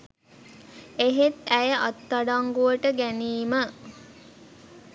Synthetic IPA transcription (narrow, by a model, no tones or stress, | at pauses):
eɦet̪æjəʔɑt̪ːaɖaŋɡuʋəʈəɡæniːmə